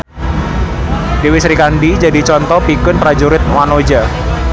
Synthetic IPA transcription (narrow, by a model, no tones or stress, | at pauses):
dewisɾikandid͡ʒadit͡ʃɔnt̪ɔpikʊnpɾad͡ʒuɾɪt̪̚wanod͡ʒa